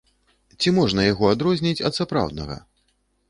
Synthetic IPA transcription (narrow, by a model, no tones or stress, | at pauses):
t͡sʲimɔʐnɐjaɣɔad̪ɾɔzʲnʲit͡sʲɐ̰t̪sapɾa̰wd̪̚nɐɣɐ̰